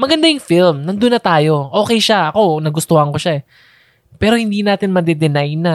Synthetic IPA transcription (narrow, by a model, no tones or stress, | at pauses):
mɐɡɐnd̪ajʊŋfilmnɐnd̪ʊnːɐt̪aːjo̞ʔo̞ːkɛjʃaʔɐko̞nɐɡʊst̪ohɐŋkoʃaɛ | pɛːɾo̞hɪnd̪iːnaːt̪ɪnmɐd̪ɛd̪ɛnajna